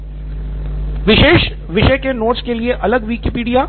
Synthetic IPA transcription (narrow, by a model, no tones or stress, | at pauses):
ʋɪʃeːʃ | ʋɪʃəjkenoːʈskelieʔɐləɡʋiːkepiːɖija